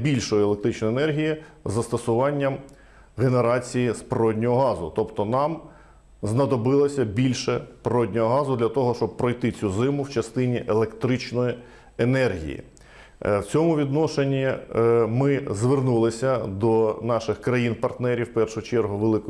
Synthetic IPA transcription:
bʲilʲʃɔjielˠek̚t̪ɾɪt͡ʃnɔjenɛrɦʲiji | zɐst̪ɐsʊʋɑnʲːɐm | ɣeneɾɑt͡sʲijispɾɔdʲnʲɔɦɔɦɑzʊt̪ɔpt̪ɔnɑm | znɐd̪ɔbɪlˠɐsʲɐbʲilʲʃɛpɾɔdʲnʲɔɦɔɦɑzʊd̪lʲɐt̪ɔɦɔʃt͡ʃɔb̚pːɾɔjt̪ɪt͡sʲuzɪmʊwt͡ʃɐst̪ɪnʲiʔelˠekt̪ɾɪt͡ʃnɔji | enɛrɦʲḭjḭ | wt͡sʲɔmʊʋʲid̪nɔʃenʲimɪzʋernulˠɪsʲɐd̪ɔnɑʃɪxkɾɐjinpɐrt̪nɛɾʲiwpɛrʃʊt͡ʃɛrɦʊʋelˠɪk

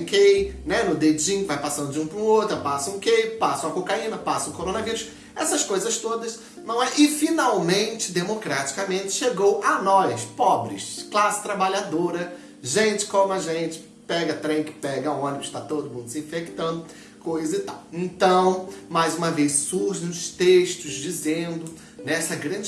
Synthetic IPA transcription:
kejnɛnʊd̪ed͡ʒĩvajpasɐ̃nd̪ʊd͡ʒɪũmɐpɾʊot̪ɾɐpasɐũkejpasʊ̃ɐkokaĩnɐpasɐʊkoɾõnɐviɾʊs | ɛsɐskojzɐst̪od̪ɐs | nɐ̃w̃ɛʔɪfinawmẽnt͡ʃɪ̥d̪emokɾat͡ʃi̥kɐmẽnt͡ʃɪ̥ʃeɡowʔɐnɔjspɔbɾɪ̰ʃklasɪ̥t̪ɾabalad̪oɾɐ | ʒẽnt͡ʃɪ̥kõmɐʒẽnt͡ʃɪ̥ | pɛɡɐt̪ɾẽj̃kɪ̥pɛɡɐõnibʊʃt̪at̪od̪ʊmũnd̪ʊsɪĩfekt̪ɐ̃nd̪ʊ | kojzɐzɪt̪awẽt̪ɐ̃w̃majzũmɐvejssuhʒẽj̃ʊʃst̪eʃt̪ʊzd͡ʒizẽnd̪ʊ | nɛsɐɡɾɐ̃d͡ʒ

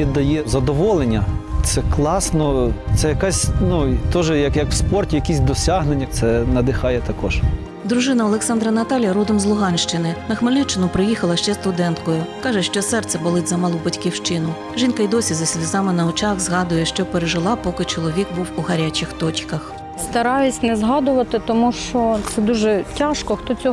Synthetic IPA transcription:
ɛd̪ɐjɛzɐd̪ɔʋɔlˠenʲːɐt̪sɛklˠɑsnɔt̪sɛjɐkasʲnut̪ɔʒɛjɐkjɐkwspɔrtʲijɐkʲisʲd̪ɔsʲaɦnenʲːɐt̪sɛnɐd̪ɪxɑjɛt̪ɐkɔʒ | d̪ɾʊʒɪnɐɔlˠeksɑnd̪ɾɐnɐt̪ɑlʲjɐɾud̪ɔmzlˠʊɦɑnʲʃt͡ʃɪnɪnɐxmɪlʲnʲɛt͡ʃːɪnʊpɾɪjixɐlˠɐʃt͡ʃɛst̪ʊd̪ɛnt̪kɔjʊkɑʒɛʃt͡ʃɔsɛrt̪sɛbɐlˠɪtʲzɐmɐlˠubɐtʲkʲiwʃt͡ʃɪnʊ | ʒinkɐjd̪ɔsʲizɐsʲlʲizɑmɪnɐɔt͡ʃɑxzɦɑd̪ʊjɛʃt͡ʃɔpeɾeʒɪlˠɑpɔkɪt͡ʃɔlˠɔʋʲik̚buwuɦɐɾʲat͡ʃɪxt̪ɔt͡ʃkɐx | st̪ɐɾɑjʊsʲnɛzɦɑd̪ʊʋɐt̪ɪt̪ɔmuʃt͡ʃɔt̪sɛd̪uʒɛtʲaʃkɔxt̪ɔt͡sʲɔ

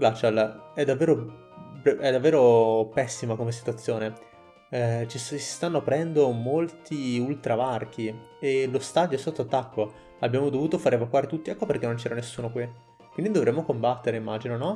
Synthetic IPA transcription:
ɡlat͡ʃalɛd̪avːeːɾo | bɛɛd̪avːeːɾopɛsːimakomesi̥t̪uat̪sːjoːne | t͡ʃisi̥st̪anːoapɾɛnd̪omolt̪iult̪ɾavark̟ʰi | elost̪ad̪joɛsːot̪ːoat̪ːakːo | abːjaːmod̪ovuːt̪ofaːɾevakwaːɾit̪ut̪ːiɛkːoperk̟enːont͡ʃɛːɾanesːuːnokwi | kwind̪id̪ovɾemːokombat̪ːeɾeimːaːd͡ʒinonɔ

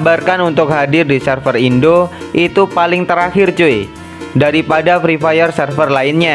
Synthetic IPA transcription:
barkanunt̪ʊk̚ɦadɪrdisɛrfərindo | ʔit̪upalɪŋt̪əɾaxɪrt͡ʃue | daɾipadafɾifajərsərfərlaɪnɲa

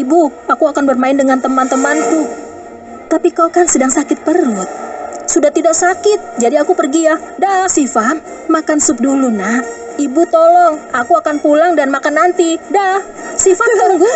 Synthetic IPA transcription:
ibuakuakanbərmaɪndəŋant̪əmant̪əmant̪uː | apikaukansədaŋsakɪt̪̚pəɾʊt̪̚sudaht̪idaksakɪt̪̚d͡ʒadiakupərɡijadahsifat̪ | makansʊp̚dulunah | ibut̪olɔŋakuakanpulaŋdanmakanːant̪idah | sifan

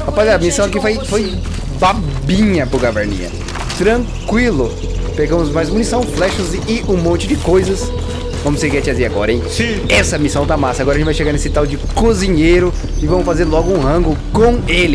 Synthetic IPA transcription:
apɔzɐmisɐ̃w̃ak̬ifojfoj | babĩɲɐpʊɾɡaveɾnḭ̃ɐ̰ | t̪ɾɐ̃ | kwilʊ | peɡɐ̃mʊzmajzumunisɐ̃w̃flɛʃɐzɪʔũmõnt͡ʃɪd͡ʒɪkojzɐs | vɐ̃mʊseɾkɛt͡ʃɪaziɾaɡɔɾɐẽj̃sĩ | ɛsɐmisɐ̃w̃t̪amasɐaɡɔɾɐẽt͡ʃɪvajʃeɡaɾnesɪt̪awd͡ʒɪkozĩɲejɾʊ | ɪvɐ̃mʊsfazeɾlɔɡʊũhɐ̃ɡʊkõw̃elɪ

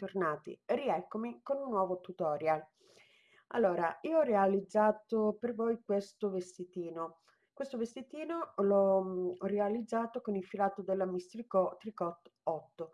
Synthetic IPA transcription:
t̪ornaːt̪ḭriɛkːomikonunːwɔːvot̪ut̪ɔːɾjal | a̰lːoːɾaiːoɔrːealid̪zːaːt̪opervojkwest̪ovest̪it̪iːno | kwest̪ovest̪it̪iːnolɔɔrealid̪zːaːt̪okonilfilaːt̪od̪elːamist̪ɾikɔt̪ːɾikɔt̪ːɔt̪ːo

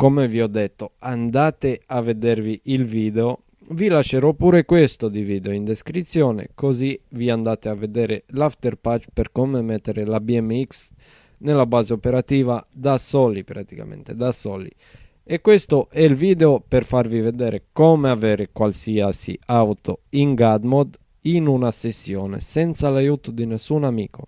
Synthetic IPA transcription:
komeviɔd̪ːet̪ːoand̪aːt̪eavːed̪erviʔilviːd̪eo | vilaʃːeɾɔpːuːɾekwest̪od̪iviːd̪eoind̪eskɾit̪sːjɔːnḛkoziviand̪aːt̪eavːed̪ɛːɾelaft̪erpat͡ʃːperkomemet̪ːeɾelabiɛmːiks | nelːabaːzeopeɾat̪iːvad̪asɔlipɾat̪ika̰mḛ̃nt̪ed̪asɔːlḭ | ekːwest̪oʔɛlviːd̪eoperfarvived̪ɛːɾʔekɔmeavɛːɾekwalsiasḭawt̪oiŋɡad̪mod̪ | inunasesːjɔːnḛsɛnt̪salajuːt̪od̪inesːunamḭːkʰo

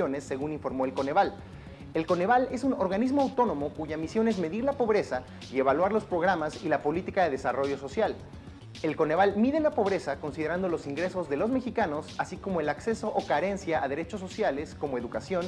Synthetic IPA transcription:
o̞ne̞sːe̞ɣuniɱfo̞ɾmo̞elko̞ne̞βal | e̞lko̞ne̞βale̞suno̞ɾɣanizmoawt̪o̞nõ̞mo̞kuʝamisjo̞ne̞zme̞ðiɾlapo̞βɾe̞sa | ie̞βalwaɾlo̞spɾo̞ɣ̞ɾamasilapo̞lit̪ikaðe̞ðe̞saro̞ʝo̞so̞sjal | e̞lko̞ne̞β̞almiðe̞lapo̞β̞ɾe̞sako̞nsiðe̞ɾand̪o̞lo̞siŋɡɾe̞so̞zðe̞lo̞zme̞xikano̞sasiko̞mo̞e̞lakse̞so̞ʔokaɾe̞nsjaaðe̞ɾe̞t͡ʃosːo̞sjale̞sko̞moe̞ðukasjo̞n

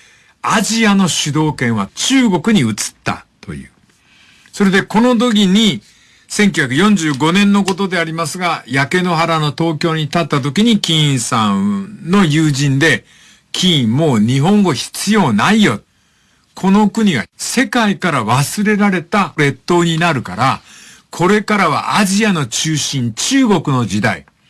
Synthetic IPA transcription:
aʑiano̞ɕɨd̪o̞ːkẽ̞ɰ̃βat͡ɕɨːɡo̞kɯ̟ɲ̟iɯ̟t͡sɨ̥t̪ːa̰t̪o̞̰jɯ̟̰ː | so̞ɾe̞d̪eko̞no̞d̪o̞ɡʲiɲ̟i | sẽ̞ŋk̬ʲjɨçʲjakɯ̟jõ̞ɲ̟d͡ʑɨːɡo̞nẽ̞nːo̞ko̞t̪o̞d̪e̞aɾʲimasɨɡajake̞no̞ɦaɾano̞t̪o̞ːkʲo̞ːɲ̟it̪at̪ːat̪̬o̞kʲiɲ̟ikʲĩsãno̞jɯːʑĩnd̪e̞ | kʲʰĩmo̞ːɲ̟iɦõ̞ŋɡo̞çi̥t͡sɨjo̞ːnaijo̞t̪ | kʰo̞no̞kɯ̟ɲ̟iβa̰se̞kaikaɾaβasɨɾe̞ɾaɾe̞t̪aɾe̞t̪ːo̞ːɲ̟inaɾɯ̟ka̰ɾa | kʰo̞ɾe̞kaɾaβa̰ʔaʑiano̞t͡ɕɨːɕĩɲ̟t͡ɕɨːɡo̞kɯ̟no̞d͡ʑid̪a̰ḭ

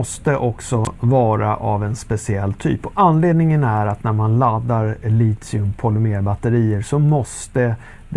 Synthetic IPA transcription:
ɔst̪əʔɔksɔvɑːɾa̰ʔavɛnspɛsɪɛlːt̪ʰy̰ːpɔʔanːleːd̪nɪŋənæɾat̪næɾmanlad̪ːaɾliːt̪sɪɵmpʰɔlɵmeːɾbat̪ːəɾiːəɾʂɔmɔst̪ə | d̪

